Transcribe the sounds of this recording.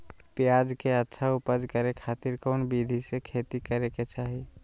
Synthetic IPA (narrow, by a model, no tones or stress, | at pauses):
pjad͡ʒkeətːʃʰaupəd͡ʒkəɾekʰaːt̪iɾkɔːnbid̪ʱisekʰet̪ikəɾeket͡ʃaːɦi